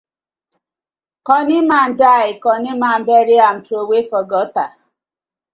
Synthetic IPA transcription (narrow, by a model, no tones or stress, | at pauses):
kɔnɪman̩daɪkɔnɪmam̩beɾɪam̩towefɔɡɔta